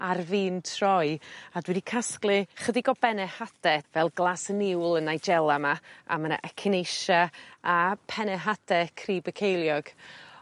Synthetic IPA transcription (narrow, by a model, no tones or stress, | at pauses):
arviːntʰrɔjadwɛdikʰasklˠɨχədiɡɔbɛnɛhad̥ɛvɛlˠɡlˠasənɪwlˠənajd͡ʒɛlˠamaa̰məna̰ʔɛkʰɪnejʃaapʰɛnɛɦadɛkʰriːbəkʰejlˠjɔɡ̥